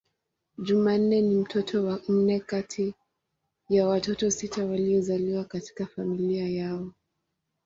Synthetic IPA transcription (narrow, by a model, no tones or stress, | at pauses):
ʄuman̩nɛnim̩tʰɔtʰɔwan̩nɛkatʰi | jawatɔtɔsitawaliɔzaliwakati̥kafamiliajaɔ